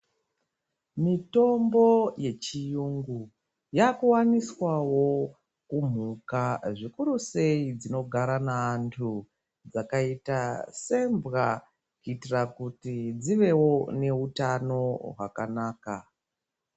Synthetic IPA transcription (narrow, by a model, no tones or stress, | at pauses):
mito̞mbo̞je̞t͡ʃijuŋɡu | jakuwaniswawo̞ | kum̤ukaʐikuɾuse̞id͡zino̞ɡʱaɾanaːntʰu | d͡zakaitase̞mbɣa | kuitirakutid͡ziʋe̞wo̞ne̞utano̞ɦwa̰kanaːka